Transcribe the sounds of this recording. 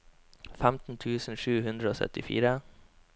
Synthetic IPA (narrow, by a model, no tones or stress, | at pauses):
fæmt̪n̩t̪ʰʉːsn̩ʂʉːhʉnd̪ɾəoːsœ̰t̪ɪfḭːɾə